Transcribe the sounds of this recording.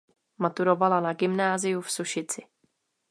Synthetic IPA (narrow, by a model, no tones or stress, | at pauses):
mat̪uɾo̞valanaɡɪmnaːzɪjufsuʃɪt͡sɪ